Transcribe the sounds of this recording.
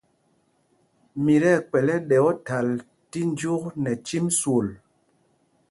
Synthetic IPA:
mi˨ɾɛ˦˨k͡pɛ˨lɛ˦ɗɛ˨ɔ˦ta˨l | ti˦n˦d͡ʒu˦knɛ˨t͡ʃi˦mswo˨l

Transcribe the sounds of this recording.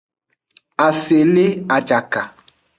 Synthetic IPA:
a˨se˨lɪ˦a˨d͡ʒa˨ka˨

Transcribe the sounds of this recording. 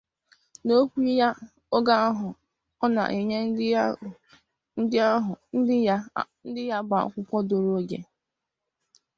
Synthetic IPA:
no˦kʷi˦ja˦ | o˦ɡa˦ɦʊ˨ | ɔ˦na̰˨ʔi˨ɲe˦ | n̩˦dɪ˦a˦ɦʊ˨n̩˦n̩˦dɪ˦ja˦ba˨a̰˨kʷʊ˦kʷɔ˦do˨ɾo˦ɡḛ˨

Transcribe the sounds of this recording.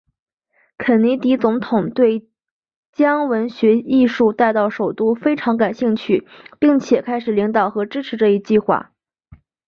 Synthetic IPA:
kʰə˨˩nni˧˥t̪i˧˥t͡sʊ˧˥ŋt̪ʰʊ˨˩ŋt̪we˥˩ɪ | t͡ɕjɑ˥ŋwə˧˥nɕɥɛ˧˥i˥˧ʂu˥˧t̪a˥˧ɪt̪ɑ˥˩ʊʂo˨˩ʊt̪u˥fe˥ɪʈ͡ʂʰɑ˧˥ŋka˨˩nɕi˥˧ŋt͡ɕʰy˥˩pi˥˩ŋt͡ɕʰjɛ˨˩kʰa˥ɪʂɻ̩˨˩li˧˥ŋt̪ɑ˨˩ʊxɤ˧˥ʈ͡ʂɻ̩˥ʈ͡ʂʰɻ̩˧˥ʈ͡ʂɤ˥˧i˧˥t͡ɕi˥˧xwa̰˥˩

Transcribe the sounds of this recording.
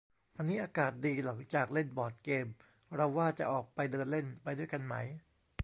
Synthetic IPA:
ʔa˧nːiː˦˥ʔaː˧kaː˨˩t̪̚diː˧la˩˦ŋt͡ɕaː˨˩k̚le˥˩nbɔː˨˩t̪̚keː˧m | ɾa˧wːaː˥˩t͡ɕa˨˩ʔɔː˨˩k̚pa˧jdɤː˧nle˥˩npa˧jdu˥˩əjka˧nma̰˦˥j

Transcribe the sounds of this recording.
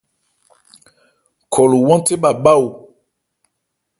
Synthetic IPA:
kʰɔ˨lu˨wɔ̃˦te˦ɓa˨ɓa˦u˨

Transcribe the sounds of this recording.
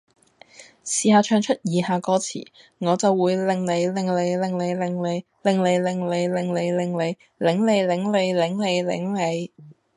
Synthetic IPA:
siː˨haː˨˧t͡ʃʰœː˧ŋt͡ʃʰɵ˥t̚jiː˨˧haː˨˧kɔː˧˥t͡sʰḭː˨˩ | ŋɔː˨˧t͡sɐ˨wːuː˨˧jlɪ˨ŋle˨˧jlɪ˨ŋle˨˧jlɪ˨ŋle˨˧jlɪ˨ŋle˨˧j | lɪ˨ŋle˨˧jlɪ˨˩ŋle˨˧jlɪ˨ŋle˨˧jlɪ˨ŋle˨˧j | lɪ˨˥ŋle˨˧jlɪ˨˥ŋle˨˧jlɪ˨˥ŋle˨˧jlɪ̰˨˥ŋle˨˧j

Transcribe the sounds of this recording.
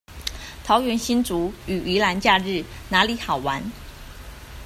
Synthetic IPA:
t̪ʰɑ˧˥ʊɥɛ˧˥nɕi˥nt͡su˨˧˥y˨˩ʔy˧˥la˧˥nt͡ɕja˥˧ɻɻ̩˥˨na˧˥li˧˥˦xɑ˨˩ʊwa˧˦n

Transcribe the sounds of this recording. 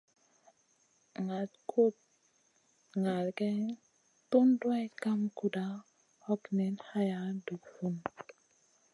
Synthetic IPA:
ŋa˨tko˦t̚ | ŋa˨lkɛ˦ | tu˦ndwɛ˦ka˦mku˨da˨˦ | ɔ˦knɛ˨nha˦ja˦du˨kfu˦n

